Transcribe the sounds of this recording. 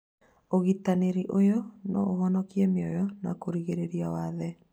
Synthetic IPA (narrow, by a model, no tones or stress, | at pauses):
oɣitaneɾiʔojɔnɔ̰ʔoɣɔnɔkiɛmeɔjɔna̰koɾiɣeɾeɾiawaðɛ